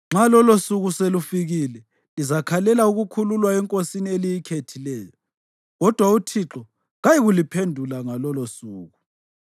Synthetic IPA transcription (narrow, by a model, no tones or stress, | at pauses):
ŋ͡ǁalɔlosuɣuselufiɣilɛ | lizakʰalɛlauɣukʰululwaɛŋkʼosinielijikʰetʰilɛːjɔ | ɣɔd̥ʱwautʰiǁɔ | ɣajiɣulipʰendʱulaŋalɔlosuːɣu